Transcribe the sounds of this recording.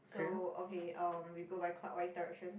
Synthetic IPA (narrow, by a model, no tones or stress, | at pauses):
sooʊkʰeɪʔʌ̃mwiɡobaɪkʰl̥a̰ʔwaɪsd̥aɪɹɛ̰k̚ʃə̃n